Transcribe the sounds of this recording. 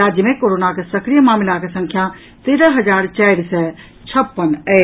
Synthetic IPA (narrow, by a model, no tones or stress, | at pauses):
aːd͡ʒjəmẽkoːɾoːnakesɐkɾijəmaːmɪlakesɐ̃ŋkʰja | t̪eːɾəɦɐd͡ʒaːɾt͡ʃaːɾsɛ̃ | t͡ʃʰɐpːənɛː